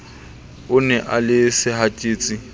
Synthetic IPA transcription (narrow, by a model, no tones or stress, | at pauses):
ʊnɛʔalɪsɪhatʼeːt͡sʼi